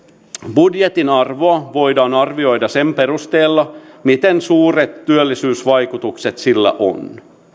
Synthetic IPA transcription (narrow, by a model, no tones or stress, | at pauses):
budjet̪inɑrʋo̞ɑʋo̞jdɑːnɑrʋio̞jdɑse̞mpe̞rust̪eːlːɑmit̪ensuːret̪ːyølːisyːsʋɑjkut̪ukset̪silːæ̰ʔo̰n